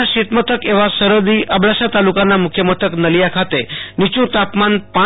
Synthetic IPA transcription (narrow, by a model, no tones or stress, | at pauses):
aɕit̪mət̪ʰəkeʋ̤asəɾəd̪iːʔəbɭaɕat̪alukanːamukʰjəmət̪ʰəknəlijakʰat̪enit͡ɕũt̪apmanpa